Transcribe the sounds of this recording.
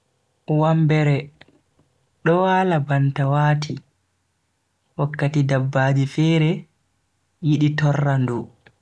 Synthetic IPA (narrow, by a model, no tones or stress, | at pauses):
wambɛɾɛ | ɗɔwaːlabantawaːtʰi | wakːatidabːaːd͡ʒifɛːɾɛ | jiɗitɔrːandu